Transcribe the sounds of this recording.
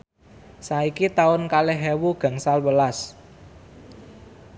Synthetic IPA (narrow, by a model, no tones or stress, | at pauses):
saikit̪aʊnkaleɦɛwuɡ̥ä̤ŋsalwəlas